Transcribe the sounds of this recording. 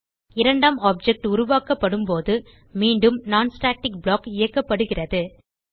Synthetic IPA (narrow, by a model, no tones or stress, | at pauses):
ɪɾɐɳɖaːmaːp̚d͡ʒɛk̚ʈʊɾʊʋaːkɐpːɐɽɯmpoːðɯ | miːɳɖɯmnaːnsʈaːk̚ʈɪk̚bɭoːkɪjɐkːɐpːɐɽɯɣɪrɐðɯ